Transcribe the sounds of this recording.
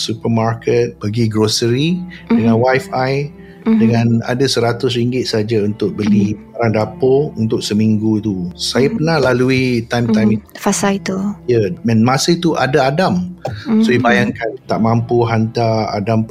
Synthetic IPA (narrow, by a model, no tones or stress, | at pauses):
supəmarkət̪̚b̥aɡiɡɾosəɾidəŋãnwajfaj | dəŋãna̰dasəɾat̪ʊsɾiŋɡɪt̪̚səɦad͡ʒaunt̪ʊk̚bəliaɾaŋdapount̪ʊk̚səmiŋɡut̪usajəpənahlaluit̪ajmt̪ajmifasait̪ujəɛnmãsəit̪uʔadaadamsoibajaŋkant̪aʔmãmpuɦant̪aa̰dam